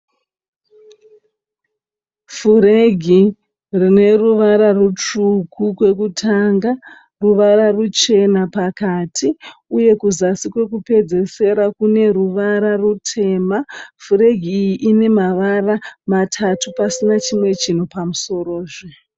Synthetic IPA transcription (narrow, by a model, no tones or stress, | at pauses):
fuɾeɡʱi | rine̞ruʋaɾarut͡ʂukʰukwe̞k̬utʰaŋɡa | ruʋararut͡ʃe̞napakatʰiuje̞kuzasikwe̞kupe̞d͡ze̞se̞ɾakune̞ɾuʋaɾarutʰe̞ːmafuɾe̞ɡʱiːjiʔine̞maʋaramatʰatupasinat͡ʃimwe̞t͡ʃin̤upamuso̞ɾo̞ːʐe